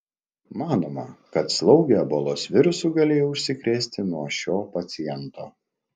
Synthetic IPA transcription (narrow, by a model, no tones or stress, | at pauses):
mɑːnoːmɐkɐt̪slˠɒʊɡʲɛbolˠoːsʋʲɪɾʊsuːɡɐlʲeːjoʊʃʲsʲɪkɾʲeːsʲt̪ʲɪnuɔʃʲoːpɐt̪sʲɪjɛnt̪oː